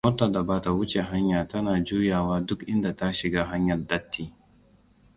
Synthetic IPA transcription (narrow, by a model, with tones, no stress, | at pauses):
moː˦tɐ˨da˨baː˦ta˨wʊ˦t͡ʃe˨ɦa˦ɲjaː˨tɐ˦naː˨d͡ʒuː˦jaː˨waː˦dʊ˦kʔɪ˦nda˨ta˦ʃɪ˨ɡaː˦ɦa˦ɲjɐ˨rdɐ˦tʰːiː˨